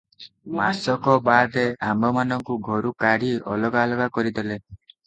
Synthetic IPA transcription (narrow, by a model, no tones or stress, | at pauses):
masɔkɔbad̪eambɔmanɔŋkuɡʱɔɾukaɽiɔ̰lɔɡalɔɡakɔɾid̪ele